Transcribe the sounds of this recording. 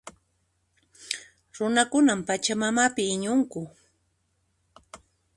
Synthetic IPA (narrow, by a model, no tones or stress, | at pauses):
ɾʊnakʊnampat͡ʃamamapɪːɲʊŋkʊ